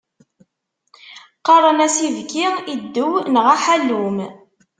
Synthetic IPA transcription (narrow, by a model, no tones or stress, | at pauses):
qɑɾˤənæsivɡiid̪ːuwnʁaħælːum